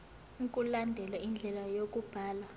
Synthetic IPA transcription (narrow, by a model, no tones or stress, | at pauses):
ŋkʼulandʱɛlwaind͡ɮʱɛlajok̬ʼub̥ʱaːlwa